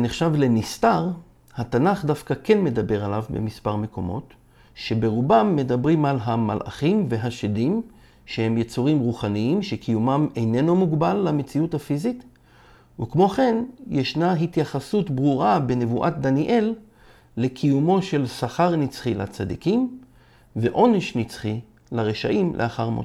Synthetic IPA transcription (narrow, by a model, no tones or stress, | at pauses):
neχʃavle̞nistaʁ | hatanaχdafkake̞nme̞d̪abe̞ʁalavbe̞̰mispaʁme̞ko̞̰mo̞̰t | ʃe̞be̞ʁubamːe̞dabʁimalɦama̰lʔa̰χimve̞ɦaʃedim | ʃehe̞mjet͡suʁimʁuχaniimʃe̞kʰijumamejne̞nomuɡbalːame̞t͡siuthafizit | ukmo̞χe̞njeʃnaɦitjaχasutbʁuʁabe̞ne̞vuʔat̚d̪aniʔe̞lː | e̞kʰijumo̞ʃe̞lsaχaʁnit͡sχilat͡sad̪ikim | ve̞ʔo̞neʃnit͡sχi | laʁeʃa̰ʔimlʔḛaχaʁmo̰